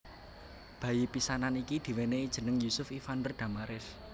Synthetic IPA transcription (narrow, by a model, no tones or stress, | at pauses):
b̥ä̤jipisananikid̪̥i̤weneid̥ʒ̥ə̤nəŋjusʊfifand̪ərd̪̥a̤maɾɪf